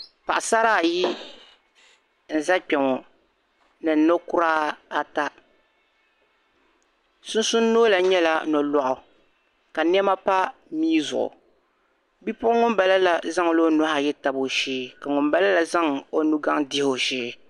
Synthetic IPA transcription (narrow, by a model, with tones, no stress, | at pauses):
pa˨ʔa˨sa˦ɾaː˦˨ji˦ | n̩˨za˦k͡pɛ˨ŋɔ˨ | nɨ˨n˨no˦kʊ˦ɾaː˦a˦ta˦ | sʊ˦n˦sʊ˦n˦nːoː˦la˨˦ɲɛ˦la˦˨nɔ˨lɔ˨ʔʊ˨ | ka˨n˦ɛ˦ma˦pa˦miː˦zʊ̰˨ʔʊ̰˨ | bi˦pʊ˦ʊ˦ŋʊ˦mba˨la˦la˨za˦ŋ˨lo˦nʊ˦ha˨jɛ˦ta˨bo˨ʃeː˦ka˨ŋʊ˨mba˦la˦la˨za˦ŋo˦nu˦ɡa˦ŋdɪ˦ho˨ʃeː˦